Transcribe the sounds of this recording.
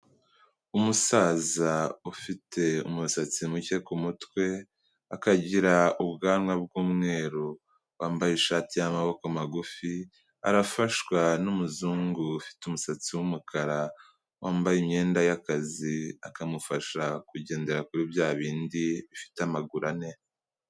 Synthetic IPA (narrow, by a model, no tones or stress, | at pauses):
umusaːzaufitʰe̞umusat͡simuce̞kumutwe̞ | akaɟiɾaubɡaːnŋwab̚ɡuːmŋe̞ːɾo | waːmbajeʃaːtijamaβo̞kamaɡufi | a̰ɾafaʃwanumuzuːŋɡuːfi̥tumusat͡siwumukʰaɾa | wʔaːmbajimɲe̞ːndajakaziakamufaʃakuɟe̞ːnde̞ɾakuɾibjaːβiːndiβifi̥tamaɡuɾane̞